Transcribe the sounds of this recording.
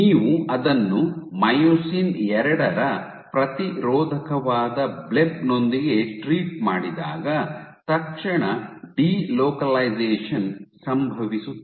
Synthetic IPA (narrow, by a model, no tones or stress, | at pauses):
iːʋuɐd̪ɐnːumɐjoːsiːnɛɾɐɽɐɾɐ | pɾɐt̪iɾɔːd̪ʱɐkɐʋaːd̪ɐblebno̞nd̪iɡe̞ʈɾiːʈ̚ma̰ːɽid̪a̰ːɡɐt̪ɐkʂɐɳɐɖiːloːkɐlɐjd͡ʒɛːʂɐnsɐmbʱɐʋisu